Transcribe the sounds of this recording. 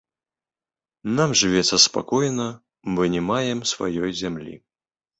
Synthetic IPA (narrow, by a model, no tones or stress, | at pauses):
namʐɨvʲɛt̪sːɐspa̰kɔjnɐ | mɨnʲɛmajɛmsva̰jɔjzʲamlʲḭ